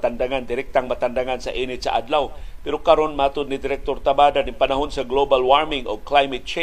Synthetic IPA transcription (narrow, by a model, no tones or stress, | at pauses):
t̪andaŋand̪ɪɾɪk̚t̪aŋmat̪andaŋansa̰ʔinɪsa̰ʔa̰dlawpɪɾokaɾonmat̪ʊd̪̚nidɪɾɛk̚t̪ort̪abadanipanaɦʊnsaɡlobalwarmɪŋoklajmɛt̪̚t͡ʃe